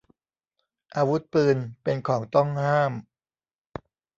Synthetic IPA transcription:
ʔaː˧wu˦˥t̪̚pɯː˧npe˧nkʰɔː˩˦ŋt̪ɔ˥˩ŋhaː˥˩m

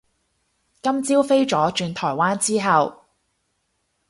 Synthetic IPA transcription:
kɐ˥mt͡siː˥wfe˥jt͡ʃɔː˨˥t͡ʃyː˧nt̪ʰɔː˨˩jwaː˥nt͡siː˥ɦɐ˨w

